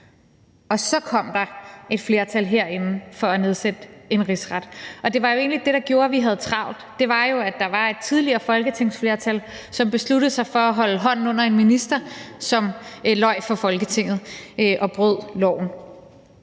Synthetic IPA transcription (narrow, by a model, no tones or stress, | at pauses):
ɒ̽sɒ̽kʰɒ̽m̰d̥ɑ̈e̝d̥fle̝ːɐt͡sʰæl̰ɦeɐ̰e̝nn̩fɒ̽æne̝ð̞ˠsed̥əe̝nʁisʁɑd̥ʔɒ̽d̥e̝ʋɑ̈jo̝e̝̰ːnlid̥e̝ɾ̥ɑ̈ɡ̥jo̝ːɐʋiɦæð̞̩ˠt͡sʰʁɑ̈ʊ̰d̥d̥e̝ʋɑ̈jo̝æ̥ɑ̈ʋɑ̈e̝d̥̚t͡sʰið̞ˠliɐːfɒ̽lɡ̥ət͡sʰe̝ŋ̰sfle̝ːɐt͡sʰæl | sɒ̽mb̥e̝sluɾð̩ˠsɑ̈ɪfɒ̽æɦɒ̽ləɦɒ̽n̰n̩ɔ̽n̰ɐe̝nminisd̥ɐsɒ̽mlɒ̽ɪ̰fɒ̽fɒ̽lɡ̥ət͡sʰe̝ŋ̰ð̞̩ˠʔɒ̽b̥ʁøð̰ˠlɒ̰ʊ̰n̩